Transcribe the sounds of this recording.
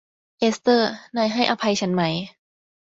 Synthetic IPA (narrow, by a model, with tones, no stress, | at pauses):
ʔe˦˥st̪ɤː˥˩nɔː˧˩jɦa˥˩jʔa˧pʰa˧jt͡ɕʰa˦nma˦˥j